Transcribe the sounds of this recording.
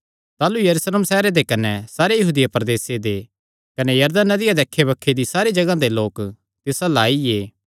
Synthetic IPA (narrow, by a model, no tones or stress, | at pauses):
t̪aːlujɐɾusleːmsɛːɾed̪ekɐnɛsaːɾejɐɦuːd̪ɪjapɾd̪eːsed̪e | kɐnejɐɾd̪ənːɐd̪ɪjad̪eːkʰːebɐkʰːed̪isaːɾed͡ʒɐɡãd̪eloːk | t̪ɪsalaːieː